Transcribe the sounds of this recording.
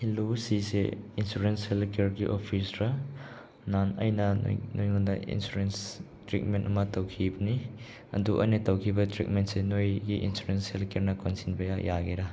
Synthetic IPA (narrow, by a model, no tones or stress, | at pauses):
hilusiseinsuɾenshelkeɾɡiʔopʰisɾɐ | nanɐ̰jnɐ̰nojŋundɐḭnsuɾens | tɾik̚mentɐmɐtɐwkʰibɐni | ɐ̰duʔɐ̰jnɐtɐwkʰibɐtɾik̚mentsenojɡiʔḭnsuɾenshelkeɾnɐkonsinbɐjajaɡeɾɐ